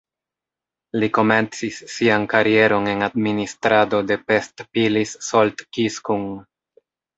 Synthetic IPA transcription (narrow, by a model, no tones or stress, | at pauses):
liko̞me̞nt͡sisːiankaɾie̞ɾo̞ne̞nadministɾado̞de̞pe̞stpilisːo̞ltkiskuŋ